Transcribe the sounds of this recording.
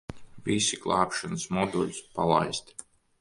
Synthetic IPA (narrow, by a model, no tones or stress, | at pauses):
visiɡlˠɑːpʃansmɔd̪ɔlʲspalˠa̰jst̪